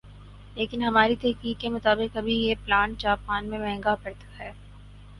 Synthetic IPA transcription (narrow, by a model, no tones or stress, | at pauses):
leːkɪnɦɐmaːɾit̪ɛɦkiːkːemʊt̪aːbɪqɐbʱijeplaːnt͡ʃaːpaːnmẽmɛ̃ɦŋɡapɐɾt̪ḁɦɛː